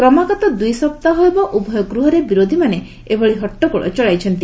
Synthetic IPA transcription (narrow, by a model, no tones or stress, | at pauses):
kɾɔmaɡɔt̪ɔd̪ujsɔp̚t̪aɦoebɔʔubʱɔjɔɡɾuɦɔɾebiɾod̪ʱimane | ebʱɔɭiɦɔʈːɔkɔɭʔɔ̰t͡ʃɔɭajt͡ʃʰɔnt̪i